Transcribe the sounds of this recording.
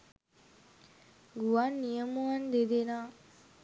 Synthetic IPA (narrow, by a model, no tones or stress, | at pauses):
ɡuanːijəmuɐnd̪ed̪enaː